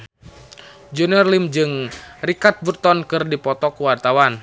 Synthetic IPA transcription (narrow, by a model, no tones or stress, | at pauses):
d͡ʒuniɔrlimd͡ʒɨŋrikat̪̚bərt̪ɔnkɨrdipɔt̪ɔkuwart̪awan